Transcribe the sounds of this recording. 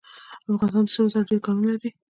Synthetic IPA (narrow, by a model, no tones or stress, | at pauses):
afɣɑnst̪ɑnd̪səmsaɾɖeɾkɑmilaɾi